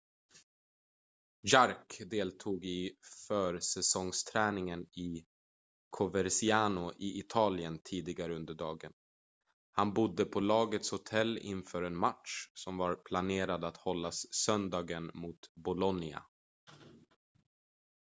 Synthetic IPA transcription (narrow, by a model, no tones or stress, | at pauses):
jaɾkd̪eːlt̪ʰuːɡɪfœːɾsɛsɔŋst̪ʰɾæːnɪŋənɪ | kʰɔvɛɾsɪaːnʊʔɪʔɪt̪ʰɑːlɪənt̪ʰiːd̪ɪɡaɾəɵnd̪əɖɑːɡə̰n | hanbʊd̪ːəpʰɔlɑːɡət̪shʊt̪ʰɛlːɪ̰nfœːɾɛnmaʈʂsɔmvaɾpʰlaneːɾad̪at̪hɔlːassœnd̪ɑːɡənmut̪bʊlɔnɪa̰